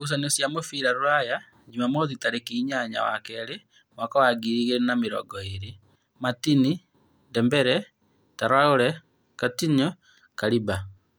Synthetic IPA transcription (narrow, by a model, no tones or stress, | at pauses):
us̬anesjamofiɾaɾuɾaja | d͡ʒimamoðitaɾekiɲaɲa̰wa̰kɛɾe | mwakɔwaɡiɾiɣeɾenameɾɔ̰ɡɔeɾe | matini | ndɛmbɛɾɛ | taɾwaoɾɛ | katiɲɔ | kaɾiba